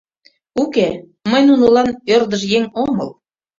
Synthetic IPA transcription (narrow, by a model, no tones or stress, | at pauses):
uke | məjnunolɑnørd̪əʃjeŋomɤl